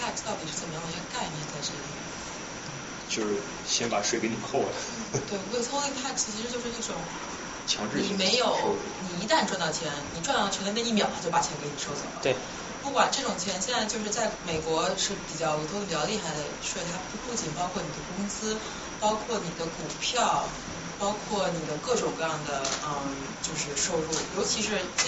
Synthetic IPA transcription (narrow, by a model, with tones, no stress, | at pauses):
a˥˩kst̪ɑ˥˩ʊt̪i˨˩ʂɻ̩˥˩t͡sə˨˩mə˦jɑ˥˧˥ka˥˧ɪnjɛ˥˧nt͡sa˥˧ɪʈ͡ʂ̩˥˩i˥˩˥ | t͡ɕjo˥˧ʊʂɻ̩˥˩ | ɕjɛ˥npa˨˩ʂwe˥˩ɪke˧˥ɪni˨˩xʰɔ˥˩də˩ | t̪we˥˩ɪ˧ə˥˩sʰʊ˥li˥˧pʰa˥˩kt͡ɕʰi˧˥ʂɻ̩˧t͡ɕjo˥˧ʊʂɻ̩˥˧i˥˩ʈ͡ʂʊ˨˩˦ŋ | t͡ɕʰjɑ˧˥ŋʈ͡ʂɻ̩˥n˨˩˥me˧˥ɪjo˨˩˦ʊ | ni˨˩i˧˥t̪a˥˧nʈ͡ʂwa˥˧nt̪ɑ˥˩t͡ɕʰjɛ˧˥nni˨˩ʈ͡ʂwnt̪ɑ˥˩t͡ɕʰɛ˧˥n˥˧˥i˥˩mjɑ˥˩ʊt̪ʰa˥t͡ɕo˥˩ʊpa˨˩t͡ɕʰjɛ˧˥nke˧˥ɪni˨˩ʂo˥˧ʊsʰa̰˥˩l̰ɪ | pu˥˩kwa˨˩nʈ͡ʂɤ˥˩ʈ͡ʂʊ˨˩ŋt͡ɕʰjɛ˧˥nɕjɛ˥˧t͡sa˥˧ɪt͡ɕjo˥˧ʊʂ̬ɻ̩˥˧t͡sa˥˩ɪme˨˩ɪkwɔ˧˥ʂɻ̩˥˩pi˨˩t͡ɕjɑ˥˩ʊ˧˥t̪ʰə˧pi˨˩t͡ɕjɑ˧li˥˧˩xa˧ɕwɛ˥˩t̪ʰa˥pu˥pu˥˧˩t͡ɕi˨˩npɑ˥ʊkʰwɔ˥˩ni˨˩d̪ə˦kʊ˥ŋsɹ̩˥ | pɑ˥ʊkʰwɔ˥˩ni˨˩d̪ə˦ku˨˩pʰjɑ˥˩ʊ | pɑ˥ʊkʰwɔ˥˩ni˨˩d̪ə˦kɤ˥˩ʈ͡ʂʊ˨˩ŋkɤ˥˧jɑ˥˩ŋd̪ə˩ə˧˩ | t͡ɕjo˥˧ʊʂɻ̩˥˧ʂo˥˧ʊfu˥˩jo˧˥ʊt͡ɕʰi˧˥ʂɻ̩˧˥